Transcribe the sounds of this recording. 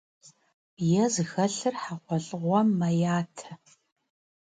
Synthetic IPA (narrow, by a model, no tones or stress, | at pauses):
jɛzɨxɐɬɨrħaqʷɔɬʼɨʁʷɔːɐjaːtʰɐ